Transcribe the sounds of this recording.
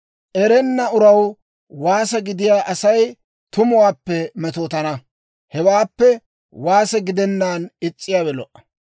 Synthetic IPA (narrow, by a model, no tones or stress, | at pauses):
ʔɛɾɛnːɐʊɾɐw | waːsɛɡɪd̪ɪjaːʔɐsɐj | t̪ʊmʊwaːpːɛmɛt̪oːt̪ɐnɐ | hɛwaːpːɛ | waːsɛɡɪd̪ɛnːaːnɪt͡sʼːɪjaːwɛlɔ̰ʔɐ̥